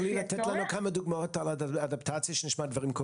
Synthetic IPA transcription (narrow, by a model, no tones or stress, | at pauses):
liːlatɛtlanokaməduɡmɔɔtaladaptʰat͡siəʃnɪʃmadvaʁimkʰɔ